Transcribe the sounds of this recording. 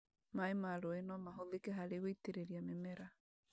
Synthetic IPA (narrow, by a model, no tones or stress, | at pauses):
maemaɾoenɔmaɦoðekeɦaɾeɣoiteɾeɾiamemɛɾa